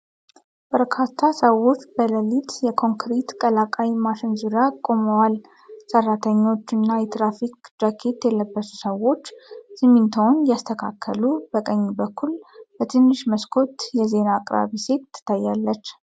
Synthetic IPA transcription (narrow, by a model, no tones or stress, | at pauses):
b̥əɾkʰat̪ʰːasəwo̞t͡ʃːbələlit̪jɛkʰo̞ŋkɾit̪kʼəlakʼajmaʃɪnzuɾakʼo̞məwal | sərːat̪ʰəɲːo̞t͡ʃːɨnːajɛt̪ɾafikd͡ʒakʰe̞t̪jɛləbːəsu̥səwo̞t͡ʃːsɨmint̪ʰonjast̪ʰəkʰakʰːəlubəkʼəɲːibəkʰːulbət̪ʰɨnːɨʃməskʰo̞t̪jɛze̞naːkʼɾa̰βise̞t̪ːɨ̥t̪ʰːajːalːət͡ʃː